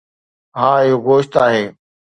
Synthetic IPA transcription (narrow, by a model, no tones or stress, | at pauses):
ɦãːɪɦoɡoːʃt̪aːɦeː